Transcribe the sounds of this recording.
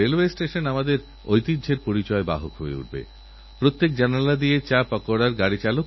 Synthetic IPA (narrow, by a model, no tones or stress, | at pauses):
elwesʈeʃonamad̪eɾ | ojt̪idd͡ʑʱeɾpoɾit͡ɕɔeba̰ɦokɦoḛṵɖbḛ | pɾot̪ːek̚d͡ʑanalad̪ijet͡ɕapɔkoɽaɾɡaɽit͡ɕalok